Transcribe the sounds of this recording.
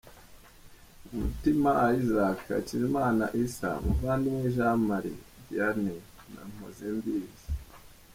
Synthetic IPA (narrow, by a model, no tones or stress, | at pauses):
umutimaaizakʰa̰ciɾimaːna̰ʔisa̰muvandiniʒamaɾḭ | diane | na̰m̥o̰zembizi